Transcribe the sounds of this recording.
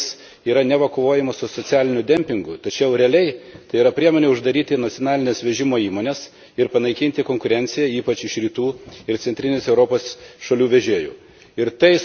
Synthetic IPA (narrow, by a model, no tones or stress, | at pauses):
s | iːɾɐnʲɛʋɐkoːʋoːjɛmɐssʊsot͡s̪ʲæːlʲɪnʲʊd̪ʲɛmʲpʲɪŋɡʊt̪ɐt͡ʃʲɛʊɾʲɛɐlʲɛɪt̪ɐɪiːɾɐpʲɾʲiɛmoːnʲeːʊʒd̪ɐɾʲiːt̪ʲɪnɐt̪t͡s̪ʲjoɔnɑːlʲɪnʲɛsʋʲɛʒʲɪmoːiːmoːnʲɛs | ɪɾpɐnɐɪkʲɪnʲt̪ʲɪkoːŋkʊɾʲɛnʲt̪sʲɪjɛiːpɐt͡ʃɪʃɾʲiːt̪uːɪɾt̪sʲɛnʲt̪ʲɾʲɪnʲɪsɛʊɾoːpoːsʃɐlʲuːʋʲɛʒʲeːjṵː | ɪɾt̪ɐɪ